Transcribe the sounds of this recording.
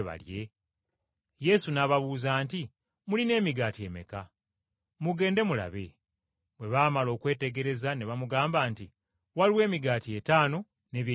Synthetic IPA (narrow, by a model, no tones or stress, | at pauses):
βa̰lje̞ | je̞sunaβaβuːzaːnti | muline̞ːmiɡaːtie̞̰me̞̰ka | muɡe̞ːnde̞mula̰βe̞̰ | βwe̞βaːmalo̞ːkwe̞ːte̞ɡe̞ɾe̞zaneβamuɡaːmbaːnti | waliwe̞ːmiɡaːtie̞taːno̞ | ne̞ːβje